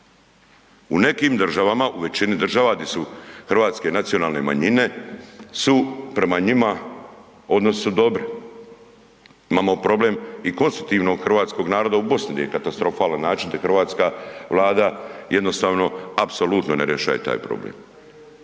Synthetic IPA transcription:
une̞kimd̪r̩ʒaʋamaʔuʋe̞t͡ɕinid̪r̩ʒaʋaɡd̪esuxrʋaːt̪ske̞nat̪sijo̞naːlne̞ma̰ɲine̞supɾe̞maɲima | o̞d̪nosud̪o̞bɾi | imaːmo̞pɾo̞ble̞miko̞nst̪ɾut̪iʋno̞ɡxrʋaːt̪sko̞ɡnaːɾo̞d̪aubo̞snid̪a̰jekat̪ast̪ɾo̞faːlanːaːt͡ʃind̪axɾʋaːt̪skaʋlˠaːd̪aje̞d̪no̞st̪aːʋno̞apso̞lut̪noneɾjeʃa̰jet̪a̰ːjpɾo̰blḛm

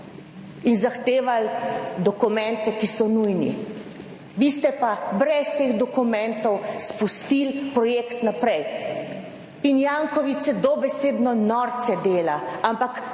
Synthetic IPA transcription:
inzaxt̪eːʋald̪ɔkumɛ̃nt̪ɛkisɔnujnḭ | bist̪ɛpabɾɛst̪eːɣd̪ɔkumɛnt̪ɔwspust̪ilpɾɔjeːkt̪napɾɛj | injaŋkɔʋit͡ssɛd̪ɔbɛseːd̪nɔnɔɾt̪sɛd̪eːlaampak

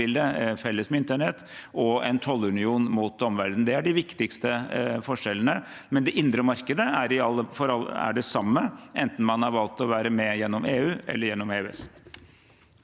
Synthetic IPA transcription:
ɪld̪əfɛlːəsmɛɪnt̪əɳɛt̪ːɔɛ̰nt̪ʰɔlːʉnɪuːnmut̪̚d̪ɔmʋæɾd̪n̩d̪ɛæɖɪʋɪkt̪ɪkst̪əfɔʂɛlːənə | mɛnd̪ɛʔɪnd̪ɾəmɑɾkəd̪əæɾɪɑləfɔɾɑlæ̰ɖɛsɑmːəʔɛnt̪n̩mɑnhɑɾʋɑlt̪ɔʋæːɾəmɛjɛnːɔmeːʉːɛ̰lːəɾjɛnːɔmeːʉɛ̰st̪

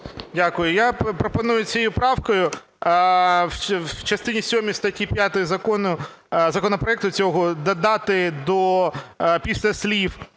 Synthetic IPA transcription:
dʲakʊjʊjapɾɔpɐnujʊt͡sʲɛjupɾɑwkɔjʊ | t͡ʃɐst̪ɪnʲisʲɔɔmʲist̪ɐtʲipʲjat̪ɔjʊzɐkɔnʊzɐkɔnɔpɾɔɛk̚t̪ʊt͡sʲɔɦɔd̪ɐd̪ɑt̪ɪd̪ɔ | pʲisʲlʲɐsʲlʲif

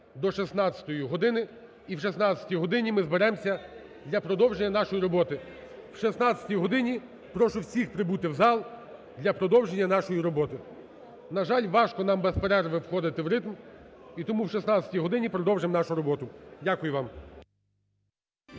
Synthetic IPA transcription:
d̪ɔʃisn̪ɑt͡sʲɐ̥t̪ɔjiɦɔd̪ɪnɪ | iwʃisnɑt͡sʲɐ̥tʲijɦɔd̪ɪnʲimɪzbeɾɛmsʲɐ | d̪lʲɐpɾɔd̪ɔwʒenʲːɐnɑʃɔjiɾɔbɔt̪ɪ | wʃisnɑt͡sʲɐ̥tʲijɦɔd̪ɪnʲi | pɾɔʃʊwsʲixpɾɪbut̪ɪwzɑlˠ | d̪lʲɐpɾɔd̪ɔwʒenʲːɐnɑʃɔjiɾɔbɔt̪ɪ | nɐʒɑlʲʋɑʃkɔnɑmbɛspeɾɛrʋɪwxɔd̪ɪt̪ɪwɾɪt̪mit̪ɔmuwʃisnɑt͡sʲɐ̥tʲijɦɔd̪ɪnʲipɾɔd̪ɔwʒɪmnɑʃʊɾɔbɔt̪ʊdʲakʊjʊʋɑm

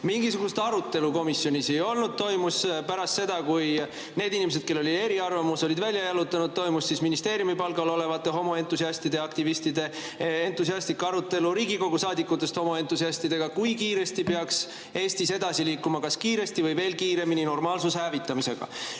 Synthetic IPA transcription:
miŋɡ̥isuɡ̥ust̪ɑɾut̪ːˑe̞luko̞misjo̞nʲise̞jo̞lnud̪̥̚t̪o̞jmuspæɾɑst̪se̞d̪̥ɑkuj | ne̞ːd̪inimese̞d̪̚ke̞lːo̞lʲid̪e̞ɾiɑrvɑmuso̞lʲid̪vælʲjɑjɑlut̪ːˑɑnud̪̥̚t̪o̞jmusːisminist̪e̞ːɾjumipɑlɡ̥ɑlo̞le̞vɑt̪ːˑe̞ɦo̞mo̞e̞nt̪ːˑusiɑst̪id̪̥e̞ɑkt̪ivist̪id̪e̞ | ent̪ːˑusiɑst̪ikːˑɑɾut̪ːˑe̞luɾiːɡiko̞ɡ̥usɑːd̪ikˑːut̪ːˑe̞st̪ho̞mo̞e̞nt̪ːˑusiɑst̪id̪̥e̞ɡ̥ɑkujkiːɾe̞st̪ipeɑks | e̞ːst̪ise̞d̪̥ɑsiliːkːumɑkɑskiːɾe̞st̪ivɤjve̞ːlkiːɾe̞minino̞rmɑːlsushæːvit̪ˑːɑmise̞ɡ̥ɑ̰

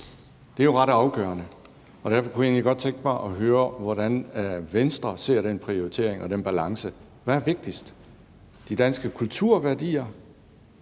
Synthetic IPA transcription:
d̥e̝æɐjo̝ʁɑ̈ɾ̥ɑ̈ʊɡ̥œ̰ːɐnə | ɒ̽d̥æɐfɒ̽kʰuie̝̰ːnliɡɒ̽d̥̚t͡sʰeŋɡ̥əb̥ɑ̰̈ːʔɒ̽ɦøːɐʋɒɾ̥ænʋensd̥ʁɐse̝ɐ̰ɾenpʰʁio̝it͡sʰe̝̰ɐ̰eŋʔɒ̽d̥enb̥ælɑ̈ŋsə | ʋææɐʋe̝ɡ̥̚d̥isd̥ | d̥id̥ænsɡ̥əkʰult͡sʰuɐ̰ʋæɐd̥ḭːɐ

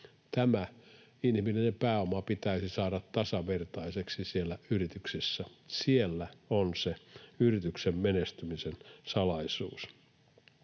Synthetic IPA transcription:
t̪æmæ | inhminenempæːomɑpit̪æisisɑːɾɑt̪t̪ɑsɑʋert̪ɑiseksisielːæyrit̪yksisːæsielːæonseyrit̪yksemmenest̪ymisensɑlɑisṵːs

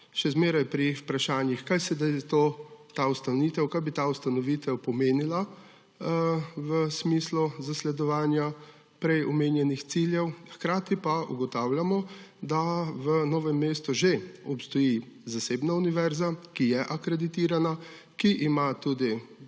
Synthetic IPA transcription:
ʃɛzmeːɾajpɾiupɾaʃaːnjixkajsɛd̪ajt̪ot̪aust̪anʋiːt̪ɛwkaːjbit̪aust̪anɔʋiːt̪ɛwpɔmeːnila | ʋəsmisluzaslɛd̪ɔʋaːnja | pɾɛjɔmeːnjɛnixt̪siljɛwxkɾaːt̪ipaṵɡɔt̪aːwljamɔd̪aʋənoːʋɛmːeːst̪uʒeɔpst̪ɔjizaseːbnauniʋɛɾzakijɛʔakɾɛd̪it̪iːɾana | kiʔːmat̪ud̪i

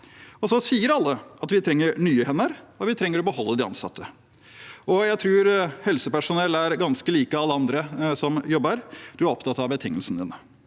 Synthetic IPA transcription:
ɔsɔsiːəɾɑlːəɑt̪ʋɪt̪ʰɾɛŋːəɾɳyːəhɛnːəɾɔʋɪt̪ʰɾɛŋːəɾɔbəhɔlːəd̪ɪɑ̰nsɑ̰t̪ʰːə | ɔjæɪt̪ʰɾʉːɾhɛlsəpæʂʊnɛlæɾɡɑnskəliːkəɑlːəɑnd̪ɾəsɔmjɔbəɾd̪̥ʉæɾɔpt̪ʰɑt̪ːɑʋbət̪ʰɪŋːəlsnəd̪ɪ̰nə

